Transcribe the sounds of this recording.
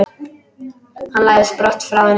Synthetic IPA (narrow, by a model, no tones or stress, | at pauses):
hanlaːjðspɾɔt̪fɾawvɛn